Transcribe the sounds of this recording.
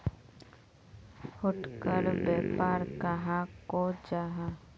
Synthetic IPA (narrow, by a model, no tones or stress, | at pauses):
hʊʈkəɾbɛːpaːɾkaɦakod͡ʒaɦa